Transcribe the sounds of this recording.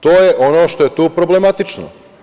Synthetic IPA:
t̪oːjeʔo̞noːʃt̪o̞jet̪uːpɾoblemat̪it͡ʃno̰

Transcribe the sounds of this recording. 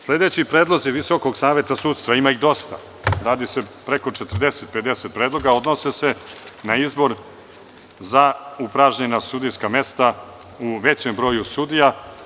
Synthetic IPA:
sle̞d̪e̞t͡ɕipɾeːd̪lˠo̞ziʋiso̞ko̞ɡsaːʋje̞t̪asut̪st̪vʋaimaiɣd̪o̞st̪a̰ | ɾaːd̪ise̞pɾe̞ko̞t͡ʃet̪r̩d̪e̞set̪̚pe̞d̪e̞set̪̚pɾe̞ːd̪lˠo̞ɡao̞d̪no̞sese̞naizbo̞ɾ | zaupɾaʒɲe̞nasud̪ijskame̞st̪a | uʋe̞t͡ɕembɾo̞ːjusud̪ija

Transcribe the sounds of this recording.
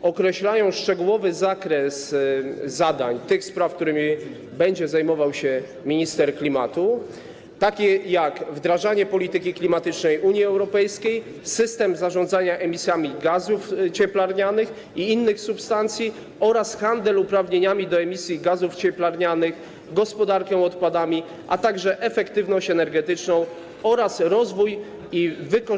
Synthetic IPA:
ɔkɾɛɕlajɔ̃w̃ʂt͡ʂɛɡuwɔvɘzakɾɛs | zad̪aɲt̪ɘxspɾafk̚t̪uɾɘmʲi | bɛɲd͡ʑɛzajmɔvawɕɛ | mʲiɲist̪ɛɾklʲimat̪u | t̪akʲɛjakvd̪ɾaʐaɲɛpɔlʲit̪ɘkʲiklʲimat̪ɘt͡ʂnɛjʔuɲjiɛwɾɔpɛjskʲej | sɘst̪ɛmzaʐɔnd̪zaɲaʔɛmʲisʲjamʲiɡazuft͡ɕɛplaɾɲanɘx | iinːɘxsupst̪ant̪sʲji | ɔɾasxand̪ɛlupɾavɲeɲamʲid̪ɔɛmʲisʲjiɡazuft͡ɕɛplaɾɲanɘx | ɡɔspɔd̪aɾkɛw̃ɔt̪pad̪amʲi | ʔat̪aɡʐɛʔɛfɛkt̪ɘvnɔɕt͡ɕɛnɛɾɡɛt̪ɘt͡ʂnɔ̃w̃ | ɔɾasɾɔzvuj | ivɘkɔ

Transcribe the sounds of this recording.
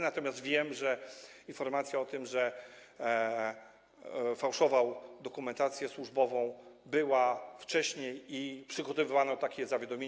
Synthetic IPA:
nat̪ɔmʲjast̪vʲjɛmʐɛinfɔɾmat̪sʲjaɔt̪ɘmʐɛ | fawʂɔvawd̪ɔkumɛnt̪at̪sʲjɛswuʐbɔvɔ̃w̃bɘwaft͡ʂɛɕɲejipʂɘɡɔt̪ɔvɘvanɔt̪akʲɛzavʲjad̪ɔmʲjeɲ

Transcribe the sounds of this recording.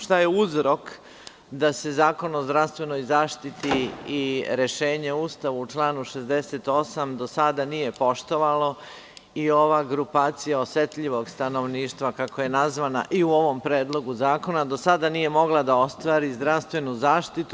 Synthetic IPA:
ʃt̪ajeuzɾo̞k | d̪ase̞zaːko̞nozd̪ɾast̪ʋe̞no̞jzaːʃt̪it̪iiɾe̞ʃe̞ːɲe̞uːst̪aʋuːt͡ʃlˠaːnuʃe̞zd̪e̞se̞t̪o̞samd̪o̞sad̪anije̞po̞ʃt̪o̞ʋalo | io̞ʋaɡɾupaːt̪sijaosjet̪ʎiʋo̞ɡst̪ano̞ʋniːʃt̪ʋakako̞je̞nazʋana̰ʔiuo̞ʋo̞mpɾe̞ːd̪lˠo̞ɡuzaːko̞nad̪o̞sad̪anije̞mo̞ɡlˠad̪ao̞st̪ʋaːɾizd̪ɾaʋst̪ʋe̞nuzaːʃt̪it̪u

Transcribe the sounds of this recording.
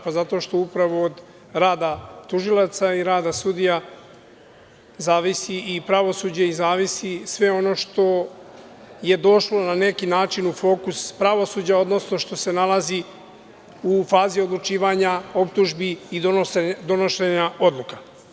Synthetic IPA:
pazat̪o̞ʃt̪oupɾaʋoːd̪ | ɾaːd̪at̪uʒilˠat̪saiɾaːd̪asud̪ija | zaːʋisiipɾaʋo̞sud͡ʑeizaːʋisisʋe̞o̞no̞ːʃt̪o̞ | je̞d̪o̞ʃlo̞nane̞kinaːt͡ʃinufo̞ːkuspɾaʋo̞suːd͡ʑao̞d̪no̞sno̞ʃt̪o̞se̞nalazi | ufaːzio̞d̪lˠut͡ʃiːʋaɲao̞p̚t̪uʒbiid̪od̪o̞no̞ʃeɲao̞d̪lˠuka

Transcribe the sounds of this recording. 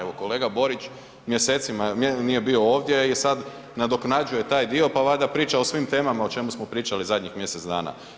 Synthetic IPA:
eʋoko̞le̞ːɡabo̞ɾit͡ʃ | mjese̞ːt̪simanije̞bio̞o̞ːʋd̪je̞isad̪ | nad̪o̞knad͡ʒuje̞t̪aːjd̪io̞paʋad̪apɾiːt͡ʃao̞sʋimt̪e̞ːmamao̞t͡ʃe̞musmo̞pɾiːt͡ʃalizad̪ʲɲixmje̞set̪d̪aːna̰

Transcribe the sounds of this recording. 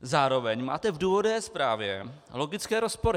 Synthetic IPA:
zaːɾovɛɲma̰ːt̪ɛvduːvodɛːspɾaːvjɛlo̞ɡɪt͡skɛːɾospoɾɪ

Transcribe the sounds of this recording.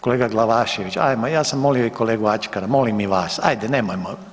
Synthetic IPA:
koleːɡaɡlˠaʋaːʃeʋit͡ʃa̰jmojaːsamːolijoikoleːɡuat͡ʃkaɾamolimiʋaːsa̰jd̪eneːmojmo

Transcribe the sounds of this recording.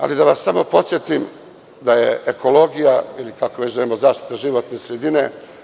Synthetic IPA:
a̰lid̪aʋasːamo̞po̞t̪sjet̪im | d̪ajeekʰo̞lo̞ɡijailikakoʋet͡ɕʒaimozaːʃt̪i̥t̪aʒiʋo̞t̪nesɾe̞d̪ine̞

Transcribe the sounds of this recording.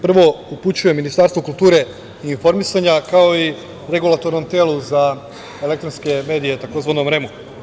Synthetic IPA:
pr̩ʋo̞uput͡ɕuje̞minist̪aɾst̪ʋokulˠt̪uːɾe̞ | iːnfo̞ɾmisaɲakao̞i | ɾe̞ɡulˠat̪o̞ɾno̞mt̪eːlˠuza | e̞lekt̪ɾonske̞me̞ːd̪ije̞t̪ako̞zʋanomɾe̞mu

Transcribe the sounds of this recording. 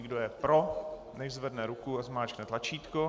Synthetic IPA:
ɪɡdojɛpɾo | nɛʒzvɛdnɛɾukuazmaːt͡ʃknɛt̪lat͡ʃiːt̪ko

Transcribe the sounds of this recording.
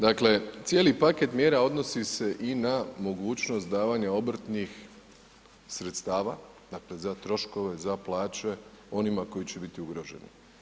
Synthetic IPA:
d̪akle̞t̪sjeːlipake̞t̪mje̞ːɾao̞d̪no̞sise̞ʔinamo̞ɡuːt͡ʃno̞st̪̚d̪aːʋaɲao̞bɾ̩t̪nix | sɾet̪st̪aːʋa | d̪akle̞zat̪ɾo̞ʃko̞ʋe̞zaplˠaːt͡ʃe̞ | o̞nimako̞jit͡ɕe̞bit̪iuɡɾo̞ʒe̞̰nḭ

